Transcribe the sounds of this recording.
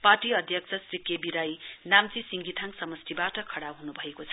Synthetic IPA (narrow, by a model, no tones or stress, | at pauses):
parʈiʌd̪ʱjʌk̚sʰʌsrikjebiɾajnamt͡sisiŋɡit̪ʰaŋsʌmʌst̪ʰibaʈʌkʰʌɽawɦunubʱʌekot͡sʰʌ